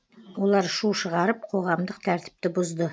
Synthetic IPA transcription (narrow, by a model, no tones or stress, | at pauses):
wo̞lˠɑɾʃuʃəʁɑɾəp̚qʰo̞ʁɑmd̪əqt̪ʰæɾt̪ɪ̥p̚t̪ɪbʊzd̪ə